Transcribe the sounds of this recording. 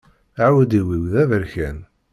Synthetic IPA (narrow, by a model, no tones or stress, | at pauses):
aʕwæd̪iwiwðævəɾçæn